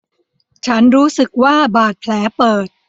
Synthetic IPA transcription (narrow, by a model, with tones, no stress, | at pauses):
t͡ɕʰa˦˥nɾuː˦˥sɯ˨˩k̚waː˥˩baː˨˩t̪̚pʰlɛː˩˦˥pɤː˨˩t̪̚